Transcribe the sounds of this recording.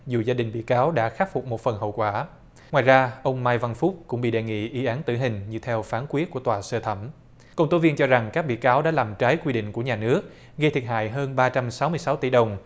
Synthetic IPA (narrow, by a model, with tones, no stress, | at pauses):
zu˨˩zaː˧ɗï˨˩ŋ̟ɓḭ˧˨kaː˨˦wɗa̰ː˧˥xaː˦˥fʊ˨˩k͡p̚mo˨˩t̚fə˨˩nɦə̰˧˨wkwaː˧˩ | ŋwaː˨˩jzaː˧ʔə˧wŋ͡mmaː˧jva˧nfʊ˦˥k͡p̚kʊ˧˥ŋ͡mɓḭ˧˨ɗe˨˩ŋḭ˧˨ʔi˨˦ʔaː˨˦nt̪ɨ˧˩ɦï˨˩ŋ̟ɲɨ̰˧˩t̪ʰɛ˧wfaː˨˦nkwi˦˥ət̚ku˧˩ət̪waː˨˩səː˧t̪ʰə˧˩m | kə˧wŋ͡mt̪o˨˦vi˧ənt͡ɕɔ˧za˨˩ŋkaː˦˥k̚ɓḭ˧˨kaː˨˦wɗa̰ː˧˥laː˨˩mt͡ɕaː˨˦jkwi˧ɗḭ̈˧˨ŋ̟ku˧˩əɲaː˨˩nɨ˦˥ək̚ | ɣə˧t̪ʰi˨˩əha̰ː˧˨jɦəː˧nɓaː˧t͡ɕa˧msa˨˦wmɨ˧əjsa˨˦wt̪i˧˩ɗə˨˩wŋ͡m